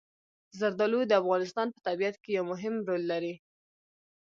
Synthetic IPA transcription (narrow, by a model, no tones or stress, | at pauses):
zaɾd̪ɑlud̪əafɣɑnɪs̬t̪ɑnpə̥t̪abiat̪kejawmʊɦɪmɾolːaɾi